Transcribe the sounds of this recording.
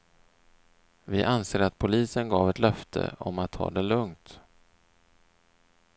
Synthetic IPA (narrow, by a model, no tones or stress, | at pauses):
vɪʔanseːɾat̪̚pʰʊliːsənɡɑːvɛt̪lœft̪ʰə̰ɔmat̪ʰːɑ̰ːd̪ɛlɵŋt̪